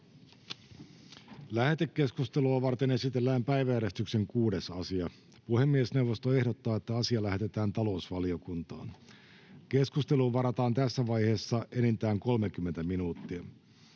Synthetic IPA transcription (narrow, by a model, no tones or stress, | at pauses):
læhe̞t̪ekːe̞skust̪eluɑʋɑrt̪ene̞sit̪e̞lːæːmpæjʋæjæɾest̪ykse̞ŋkuːde̞sɑsiɑ | puhemːiesne̞uwʋo̞st̪oe̞hdot̪ːɑːet̪ːæɑsiɑlæɦe̞t̪e̞t̪æːnt̪ɑlo̞usʋɑliokunt̪ɑ̰ːn | ke̞skust̪e̞luʋɑɾɑt̪ɑːnt̪æsːæʋɑjhe̞ːsːɑʔenint̪æːŋko̞lmekymːe̞nt̪æminuːt̪ːiæ